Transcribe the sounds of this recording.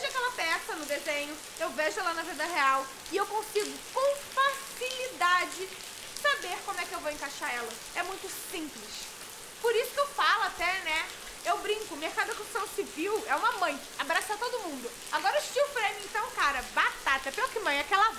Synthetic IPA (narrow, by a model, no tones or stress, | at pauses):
veʒʊakɛlɐpɛsɐnʊd̪ezẽɲʊ | ewveʒʊɛlanɐvid̪ɐɦeaw | ɪewkõsiɡʊkõfasilid̪ad͡ʒɪ | sabeɾkõmʊɛkɪewvowẽkaʃaɾɛlɐ | ɛmũj̃t̪ʊsĩplɪʃ | poɾisʊ̥kewfalʊat̪ɛnɛ | ewbɾĩŋkʊmehkad̪ʊɐkõ̥sɐ̃w̃siviwɛũmɐmɐ̃j̃ | abɾasat̪od̪ʊmũnd̪ʊ | aɡɔɾɐʊʃt͡ʃiʊfɾẽmiẽnt̪ɐ̃w̃kaɾɐbat̪at̪ɐpelʊkɪmɐ̃j̃akɛla